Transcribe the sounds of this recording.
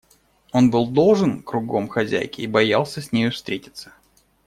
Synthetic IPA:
o̞nbɨlˠd̪o̞lˠʐɨnkɾʊɡo̞mxɐzʲæ̰jkʲɪːbɐjalˠsʲəsʲnʲejʊfst̪ɾʲetʲɪ̥t̪sə̥

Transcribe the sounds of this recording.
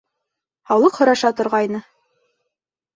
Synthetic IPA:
hɑwlˠɤqhŏɾɑʃɑt̪ŏɾʁɑjnɤ

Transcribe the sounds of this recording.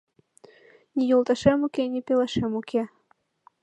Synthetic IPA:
nʲijulˠt̪ɑʃemukʲenʲepʲeləʃemukʲʰe

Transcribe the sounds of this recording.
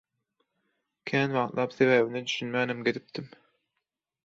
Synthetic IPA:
kʲʰæːnwɑqt̪lˠɑːpθeβæːβined̪yʃynmæːnæmɡʲed̪ip̚t̪im

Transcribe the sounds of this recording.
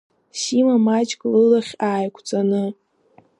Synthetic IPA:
ʃimamat͡ʃʼkʼlɨlaχʲaːjkʷʰt͡sʼanɨ

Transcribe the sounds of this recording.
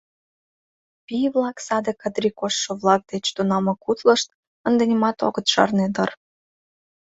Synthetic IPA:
piβlɑksɑd̪ekəd̪ɾʲikoʃːoβlˠɑk̚d̪et͡ɕt̪unɑmɤ̆kut̪lə̆ʃt̪̚ | ənd̪enʲimɑt̪o̰ɣət̪ʃɑ̰rned̪ər

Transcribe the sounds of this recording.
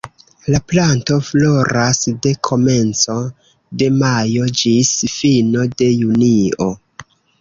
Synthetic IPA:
laplanto̞flo̞ɾasde̞kʰo̞me̞nt͡so̞ | de̞majo̞d͡ʒisfino̞de̞junio̞

